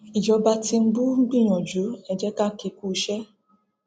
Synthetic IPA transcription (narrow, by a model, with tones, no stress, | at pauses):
i˨d͡ʒɔ˨ba˧ti˧ŋ͡m̩˦bu˦ŋ͡m̩˦ɡ͡bi˦˨ɲɔ˨d͡ʒu˨˦ɛ˨d͡ʒɛ˦ka˦ki˨ku˦˨ʃɛ˦